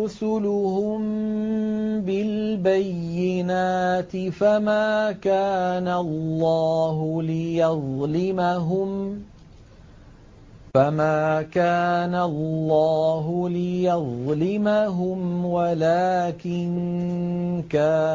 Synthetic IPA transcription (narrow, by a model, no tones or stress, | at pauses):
ʊsʊlʊhʊm | bɪlbajːɪnaːt̪ɪfamaːkaːnalːɑːɦʊlɪjɑðˤlɪmaɦʊm | famaːkaːnalːɑːɦʊlɪjɑðˤlɪmaɦʊmwalaːkɪn | kaː